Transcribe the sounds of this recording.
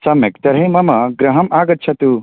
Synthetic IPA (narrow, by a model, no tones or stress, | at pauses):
sɐmekt̪ɐɾɦɐjmɐmɐɡɾɐɦɐmʔaːɡɐt̪̚ːt͡ʃʰɐt̪u